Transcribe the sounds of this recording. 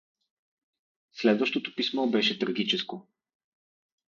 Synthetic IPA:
slɛd̪vəʃt̪ot̪o̥pismɔbɛʃɛt̪ɾɐɡ̟it͡ʃɛsko

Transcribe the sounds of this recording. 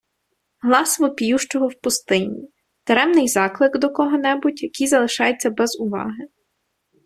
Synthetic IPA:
ɦlˠɑsʋɔpʲijuʃt͡ʃɔɦɔwpʊst̪ɪnʲi | t̪eɾɛmnɪjzɑklˠɪɡd̪ɔkɔɦɔnɛbutʲjɐkʲijzɐlˠɪʃɑjet͡sʲːɐbɛzʊʋɑ̰ɦɪ

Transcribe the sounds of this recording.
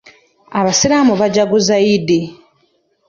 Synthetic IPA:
aβasiɾamuβaɟaɡuzaidi

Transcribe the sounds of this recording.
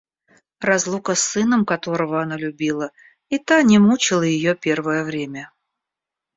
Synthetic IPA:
rɐzlˠukəsːɨnəmkɐt̪o̞ɾəvəɐnalʲʉbʲilˠə | it̪anʲɪmut͡ɕɪlˠəjɪjopʲe̞rvəjəvɾʲemʲə

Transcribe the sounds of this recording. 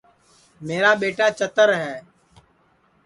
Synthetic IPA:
meːɾaːɓeːʈaːt͡ʃət̪əɾɦɛː

